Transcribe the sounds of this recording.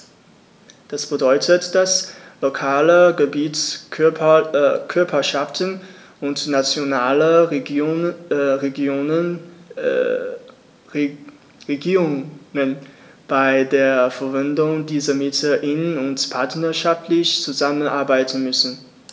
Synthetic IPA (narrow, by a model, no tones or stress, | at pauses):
d̥asb̥ədɔʏtʰətd̥aslokʰaːləɡəbiːt͡s | kʰʏɐpʰɐʃaftən | ʔʊntnat͡sjonaːlə | ʁeɡoːnə | ʁeɡiːʁʊŋŋən | b̥aɪdeːɐfɛɐvɪndʊŋdiːzɐmɪtəʔɪnənʊntpʰaɐtnɐʃaftʰlɪçt͡suzamənʔa̰ɐbaɪtən̩mʏsn̩